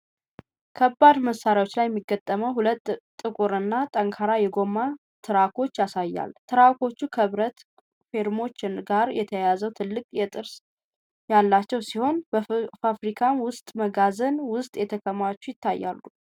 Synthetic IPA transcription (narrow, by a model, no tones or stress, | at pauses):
kʰəbːad̪məsːaɾjawo̞t͡ʃːlajɛmːiɡːət̪ʼːəməwɦulət̪ːʼ | ɨkʼuɾɨnːat̪ʼəŋkʰaɾajɛɡo̞mːa | t̪ʰɨɾako̞t͡ʃːjasajːa̰lt̪ʰɨɾako̞t͡ʃːukʰəβɾət̪ | fe̞ɾmo̞t͡ʃːɪnɡaɾjɛt̪ʰəjazəwt̪ʰɨlːɨkʼjɛt̪ʼɨɾs | jalːat͡ʃːɛwsiho̞nbəfafɾikʰamwʊst̪ʼməɡazənwʊst̪ʼjɛt̪ʰəkʰəmat͡ʃːujɪt̪ːajːa̰lːu